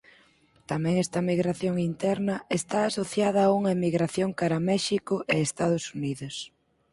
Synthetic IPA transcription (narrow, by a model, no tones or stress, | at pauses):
t̪amɛ̃ŋɛst̪ɐmiɣɾaθjoŋint̪ɛɾnɐest̪aːsoθjað̞ɐːuŋɐemiɣɾaθjoŋkaɾɐmɛʃikʊʔeest̪aðʊsuniðʊs